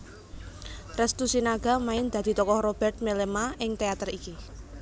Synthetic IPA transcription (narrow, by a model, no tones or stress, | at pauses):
rɛst̪usinaɡ̥a̤maɪnd̪̥a̤d̪̥i̤t̪ɔkɔhrob̥ɛrt̪̚melemaɪŋt̪eat̪əriki